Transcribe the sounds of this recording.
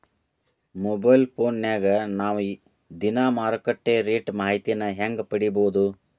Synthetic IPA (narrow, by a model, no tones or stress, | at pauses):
mobɐjlpʰoːnːaːɡɐnaːʋu | d̪inaːmaːɾkɐʈːeːɾeːʈmaːɦit̪ijɐnɐɦeŋɡpɐɽiboːd̪u